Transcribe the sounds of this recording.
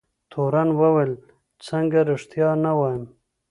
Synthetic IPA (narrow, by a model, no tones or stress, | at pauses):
t̪ʰoɾanwawel | t͡səŋɡaɾɪʂt̪jɑnawɑjɪm